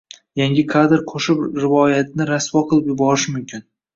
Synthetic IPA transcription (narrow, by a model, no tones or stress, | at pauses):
jaŋɡʲɪkʰad̪ɾqʰoʃɪpɾɪvɒjat̪ʰɪnɪɾaswɒqʰɨlˠɪpjʊbɒɾɪʃmʊmkʲʰɪn